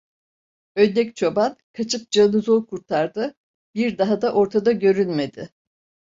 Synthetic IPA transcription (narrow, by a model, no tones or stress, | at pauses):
ønːɛct͡ʃʰo̞bankʰat͡ʃʰɯp̚d͡ʒanɯzolˠkʰuɾt̪ʰaɾd̪ɯ | biɾd̪aɦad̪aʔo̞ɾt̪ʰad̪aɟø̞ɾynme̞d̪ɪ